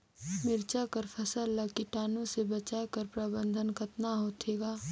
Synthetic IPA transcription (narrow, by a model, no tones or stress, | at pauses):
mɪɾt͡ʃakəɾpʰɐsəlːɐkiʈaːnõsebɐt͡ʃaːkɐɾpɾaːbə̃nd̪ʱənkɐt̪naɦoːt̪ʰeːɡaː